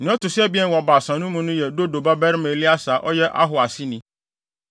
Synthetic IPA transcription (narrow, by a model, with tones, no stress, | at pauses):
nɪ̃˨˦ɔ˦tʊ˨sɛ˦bi˦ɛ˦˨nwɔ˨ba˨sã˨nũ˦mũ˦nʊ̃˦jɛ˨do˦do˨ba˦bɛ˦ɾme˨li˦a˦sa˨ʔɔ˦jɛ˦ʔa̰˦ɦʊ˨a˨sɪ˦nĩ˦